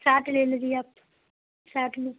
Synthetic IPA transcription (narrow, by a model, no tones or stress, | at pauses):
saːʈleːld͡ʒiap | saːʈnũː